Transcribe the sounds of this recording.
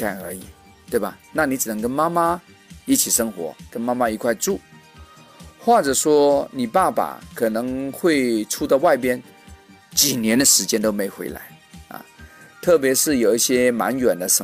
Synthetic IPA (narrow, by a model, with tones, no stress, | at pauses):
a˨˩nə˞˧˥i˨˩˦ | t̪we˥˩ɪba˨˩na˥˩ni˧˥ʈ͡ʂɻ̩˨˩n˧˥ŋk̬ə˥nma˥ma˥ | i˥t͡ɕʰi˨˩ʂɤ˥ŋxwɔ̰˧˥kə˥nma˥ma˥i˧˥kʰwa˥˧ɪʈ͡ʂu˥˩ | xwa˥˩ʈ͡ʂɤ˨˩ʂwɔ˥ni˨˩pa˥˩pa̰˨˩kʰɤ˨˩nɤ˧˥ŋxwe˥˩ɪʈ͡ʂʰu˥t̪a˥˧ʊwa˥˩ɪpjɛ˥n | t͡ɕi˨˩njɛ˧˥nd̪ə˧ʂɻ̩˧˥t͡ɕjɛ˥nt̪o˥ʊme˧˥ɪxwḛ˧˥ɪla̰˧˥ɪɐ̰˨˩t̪ʰɤ˥˩p̬jɛ˧˥ʂɻ̩˥˩jo˨˩ʊi˥˩ɕjɛ˥ma̰˧˥nɥɛ˨˩nd̪ə˦ʂə˥